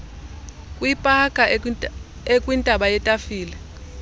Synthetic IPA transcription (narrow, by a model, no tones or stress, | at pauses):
kʼwipʼakʼa | ekʼwintʼaɓajɛtʼafiːlɛ